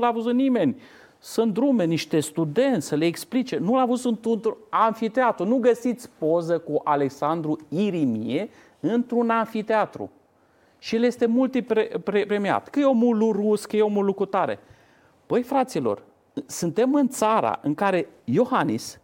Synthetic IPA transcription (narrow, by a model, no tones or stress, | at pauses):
nulavuzut̪nime̞nʲ | sɨnt̪d̪ɾume̞niʃt̪e̞st̪ud̪e̞nt̪sʲəleːksplit͡ʃe̞nulavuzɨnt̪unt̪uanfit̪eat̪ɾunuɡəsit̪sʲpo̞zəkuʔale̞ksand̪ɾuiɾimie | ɨnt̪ɾunanfit̪eat̪ɾṵ | ʃijelje̞st̪e̞mult̪ipɾepɾepɾemia̰t̪kɨjeomuluruskəjeomulukut̪aɾḛ | pəjfɾat̪silo̞̰r | sɨnt̪e̞mɨnt̪saɾa̰ʔɨŋkaɾe̞jo̞xanḭs